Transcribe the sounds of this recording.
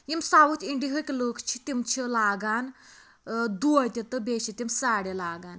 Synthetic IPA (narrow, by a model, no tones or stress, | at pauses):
jimsaʋut͡siɳɖiɦəkʲloːkʰt͡ʃʰit̪imt͡ʃʰilaːɡaːn | d̪uɐt̪ʲit̪ɨbeɕit̪imsaːɽelaːɡan